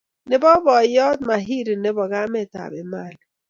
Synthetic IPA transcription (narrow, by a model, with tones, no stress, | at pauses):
nɪ˨bɔ˦bɔ˨jɔ˦t̪̚ma˨ɦi˦ɾi˨nɪ˦bɔ˨ɡa˦mɛ˦˨ta̰˨bɪ̰˨ma˦˨l